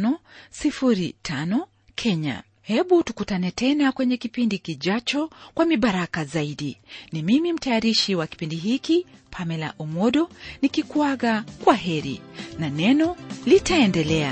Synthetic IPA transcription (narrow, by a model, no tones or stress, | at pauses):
nɔsifuɾitʰanɔ | kʰɛɲa̰ | hɛɓutukutanɛtɛnakwɛɲɛkipindikiʄat͡ʃɔkwamiɓaɾakazaiɗinimimim̩tajaɾiʃiwaki̥pindiɦikipʰamɛla̰ʔumɔɗɔnikikwaɣakwaɦɛɾḭnanɛnɔlitaɛndɛlɛa̰